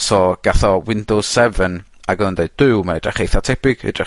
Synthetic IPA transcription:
soːɡ̥aθɔwɪndɔsɛvənaɡəlˠəndeɨdd̥ɨwmaidraχejθatʰɛb̥ɪɡ̥ḭdra

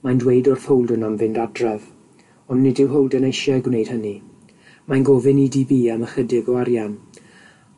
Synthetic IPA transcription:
majndwejdɔr̥θowlˠdʊnamvɪndadrɛv | ɔnːɪdɪwɦowlˠdənejʃjajɡwnejd̥həni | majnɡɔːvɪnidiːbiːaməχədɪɡɔaɾjan

